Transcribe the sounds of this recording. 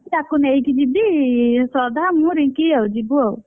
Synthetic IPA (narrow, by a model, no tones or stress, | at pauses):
t̪akunejkid͡ʒibisɔd̪amũɾiŋkiawd͡ʒibuaw